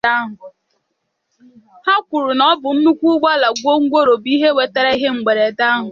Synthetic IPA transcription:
a˦ɦʊ˨ | ha˦kʷʊ˨ɾʊ˨nɔ˦bʊ˨m̩˦mu˦kʷu˦ɡ͡ba˦la˨ɡʷo˦ŋ̩˦ɡʷo˦ɾo˨bi˦ɦe˦we˨te˦ɾe˦i˦ɦe˦ŋ͡m̩˨ɡ͡be˨ɾe˨ta˦ɦʊ˨

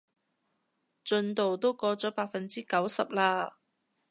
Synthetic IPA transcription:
t͡ʃɵ˧nt̪o˨wt̪o˥wkɔː˧t͡sɔː˨˥paː˧k̚fɐ˨nt͡siː˥kɐ˨˥wsɐ˨p̚laː˧

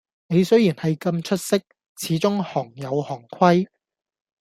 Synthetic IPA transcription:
ne˨˧jsɵ˥ɥjiː˨˩nhɐ˨jkɐ˧mt͡ʃʰɵ˥t̚sɪ˥k̚ | t͡sʰiː˨˥t͡sʊ˥ŋhɔː˨˩ŋjɐ˨˧whɔː˨˩ŋkʷʰwɐ˥j

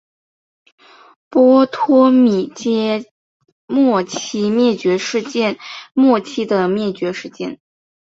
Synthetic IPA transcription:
pwɔ˥t̪ʰwɔ˥mi˨˩t͡ɕjɛ˥ | mwɔ˥˩t͡ɕʰi˥mjɛ˥˩t͡ɕɥɛ˧˥ʂɻ̩˥˧t͡ɕɛ˥˧nmwɔ˥˩t͡ɕʰi˥d̪ə˨mjɛ˥˩t͡ɕɥɛ˧˥ʂɻ̩˥˧t͡ɕjɛ̰˥˩n

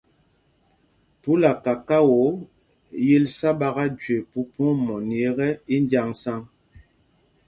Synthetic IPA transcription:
pu˦la˨ka˨ka˦wo˨˦ | je˦lsa˦ba˦ɣa˦d͡ʒɥe˨pu˦po˦mɔ˨n˨e˨˦ɣɛ˦i˦n˦dja˦ŋsa˦ŋ

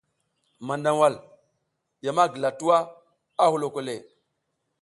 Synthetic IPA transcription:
ma˨nda˨ŋwa˦˨l | ja˨ma˦ɡi˨la˨tu˦wa˦ | a˦hu˦lo˨ko˦le˨

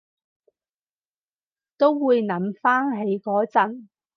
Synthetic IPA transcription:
t̪o˥wwuː˨˧jnɐ˨˧˥mfaː˥ŋɦe˨˥jkɔː˨˥t͡sɐ˨˩n

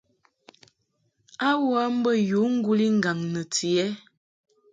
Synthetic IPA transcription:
a˦wa˦m̩˦bə˦˨ju˨˦ŋ̩˦ɡu˦li˦ŋ̩˨ɡa˨ŋnə˨ti˨ɛ˦

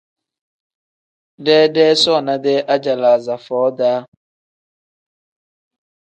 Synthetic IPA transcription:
dɛː˦dɛː˦sɔ˦˨na˦dɛ˦ʔa˦d͡ʒa˨la˨za˨fɔː˨˦daː˦

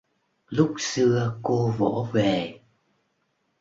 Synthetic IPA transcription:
lʊ˦˥k͡p̚sɨ˧əko˧vo̰˧˥ve˨˩

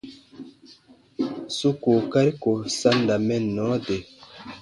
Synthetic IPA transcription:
su˦ko˨ka˦ɾi˦ko˨sa˦nda˨mɛ˦nːɔ˨˦de˨

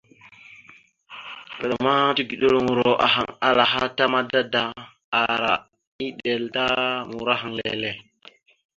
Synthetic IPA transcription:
kə˨ɗa˨ma˦tu˦ɡi˨ɗo˦ɾu˦ŋu˨ɾo˨ʔa̰˨ɦa̰˨ŋa˨la˨ɦa˦ta˦ma˦da˦da˨ | a˨ɾa˨ | i˦ɗe˨lta˦mu˨ɾa˦ɦa˨ŋlḛ˨le˦

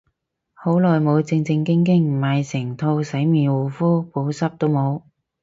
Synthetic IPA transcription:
ho˨˥wlɔː˨jmo˨˧wt͡sɪ˧ŋt͡sɪ˧ŋkɪ˥ŋkɪ˥ŋm̩˨˩ma˨jsɪ˨˩ŋt̪ʰo˧wsɐ˨˥jmiː˨˩nwuː˨˩fuː˥po˨˥wsɐ˥p̚t̪o˥wmo˨˧w

